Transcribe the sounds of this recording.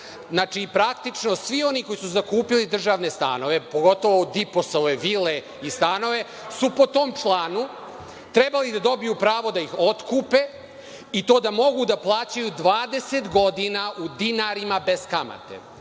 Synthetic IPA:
znaːt͡ʃipɾakt̪it͡ʂno̞sʋio̞niko̞jisuzakuːpilid̪r̩ʒaːʋne̞st̪a̰ːno̞ʋe̞poɡo̞t̪o̞ʋod̪ipo̞soʋeʋile | ist̪aːno̞ʋe̞ | supo̞t̪o̞ːmt͡ʃlˠaːnu | t̪ɾe̞balid̪ad̪o̞bijupɾaːʋo̞d̪aixo̞t̪kuːpe̞ | it̪o̞ːd̪amo̞ɡud̪aplˠaːt͡ɕajud̪ʋaːd̪e̞se̞t̪ɡo̞d̪inaʔud̪inaɾimabe̞z̥kama̰t̪e̞̰

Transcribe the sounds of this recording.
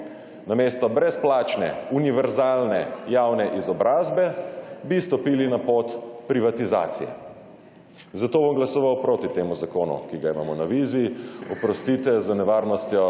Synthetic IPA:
nameːst̪ɔbɾɛsplaːt͡ʃnɛ̰uniʋɛɾzaːlnɛ̰jawnɛʔizɔbɾaːzbɛbist̪ɔpiːlinapot̪pɾiʋat̪iza̰ːt̪sḭjɛ̰ | zat̪oːbɔmɡlasɔʋawpɾoːt̪it̪eːmuzakoːnṵkiɡaima̰ːmɔnaʋiziɔpɾɔst̪iːt̪ɛzənɛʋaɾnɔst̪jɔ

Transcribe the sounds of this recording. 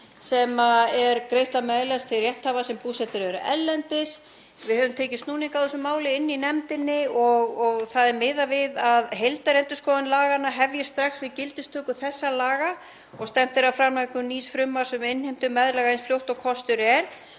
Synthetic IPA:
sɛmaɛɾkɾeːjst̪amɛðlast̪ʰɪlrjɛht̪havasɛmpuːsɛt̪ʏɾɛɾʏʔɛlːɛnt̪ɪs | vɪðhœːvʏmt̪ʰeːjcɪst̪nuːniŋkawðɛsʏmaːwlɪɪnːinɛmt̪ɪnːɪɔɣɔɣθaðɛɾmɪðavɪðaðɦejlt̪aɾɛnt̪ʏskɔːðʏnlaːɣanaɦɛvjḁst̪ɾaxsvɪðcɪlt̪ɪst̪ʰœːkʏθɛsːalaːɣa | ɔɣst̪ɛm̥t̪ɪɾawfɾaɾmajkʏniːsfɾʏmːḁsʏmɪnhejm̥t̪ʏmːɛðɾlɛɣaensfljowht̪ɔɣkʰɔst̪ʏɾɛɾ̥

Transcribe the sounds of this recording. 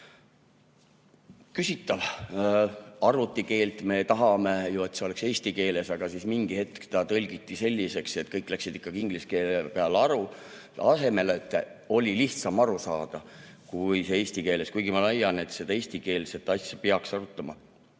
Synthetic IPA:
kysit̪ːˑɑl | ɑrvut̪ˑːike̞ːlt̪me̞t̪ɑɦɑme̞jue̞t̪seo̞lekse̞ːsʲt̪ike̞ːle̞sɑɡ̥ɑsismiŋɡ̥ihe̞t̪kt̪ɑt̪ɤlʲɡ̥it̪ːˑise̞lʲːise̞kset̪ˑkɤjkːˑlæksid̪i̥kˑːɑɡ̥iiŋɡ̥liske̞ːlepeɑlːeɑɾu | ɑse̞me̞leet̪ːˑo̞lʲiliht̪sɑmɑɾusɑːd̪̥ɑkujsee̞ːsʲt̪ike̞ːle̞skujɡ̥imɑlæjːɑne̞t̪se̞d̪̥ɑe̞ːsʲt̪ike̞ːlse̞t̪ːˑɑsʲjɑpeɑksɑɾut̪ːˑɑmɑ̰

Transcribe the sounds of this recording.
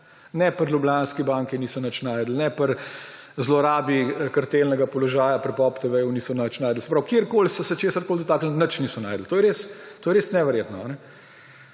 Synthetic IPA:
nɛpəɾlʲublanskibaŋkiniːsɔnət͡ʃnaːjd̪l̩nɛpəɾ | zlɔɾaːbikɐɾt̪elnɛɡapɔlɔʒaːjapɾɛpɔpt̪ɛʋɛjuniːsɔnat͡ʃnaːjd̪l̩sɛ̥pɾaʊwkjeɾkoːlsɔsɛt͡ʃeːsəɾkoːld̪ɔt̪aːkl̩nət͡ʃnisɔnaːjd̪l̩t̪oːjɛɾeːst̪oːjɛɾeːsnɛʋɛɾjeːt̪nɔanɛ

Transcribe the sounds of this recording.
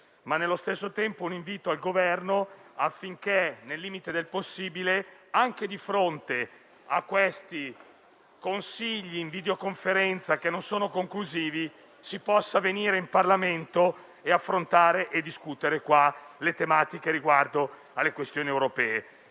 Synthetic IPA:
manːelːost̪esːot̪ɛmpouniɱviːt̪oalɡovɛrnoafːiŋkenelːiːmit̪ed̪elposːiːbileaŋked̪ifɾont̪e | a̰kːwest̪i | konsiʎːiːɱvid̪eokoɱfeɾɛnt̪sakenːonsoːnokoŋkluziːvi | sipɔsːaveniːɾeimparlament̪o | eafːɾont̪aːɾeʔed̪iskut̪eɾekwalet̪emaːt̪ikeɾiɡward̪o | alːekwest̪joːniewɾopɛːe

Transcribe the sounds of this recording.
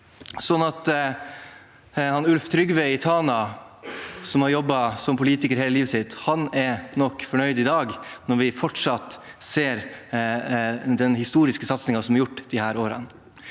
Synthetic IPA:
sɔnːɑt̪ | hɑnʉlft̪ʰɾʏɡʋɛɪt̪ʰɑːnɑ | sɔmhɑɾjɔbːɑsɔmpʰʊliːt̪ɪkəɾheːləliːʋəsɪt̪ːhɑnɛɾnɔkːfɔɳœʏd̪ɪd̪ɑːɡnɔɾʋɪfɔʈʂɑt̪ | seːɾ | d̪ɛnhɪst̪uːɾɪskəsɑt̪snɪŋɑsɔmæɾjʊʈːd̪̥ɪhæːɾoːɾə̰n

